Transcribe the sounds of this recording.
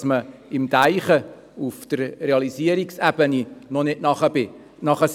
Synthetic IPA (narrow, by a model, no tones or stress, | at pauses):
sməɪmtæɪχə | ufd̥̪əɾreɑliziəɾiksæb̥əninɔnɪtnɑχəbɪ | nɑχəs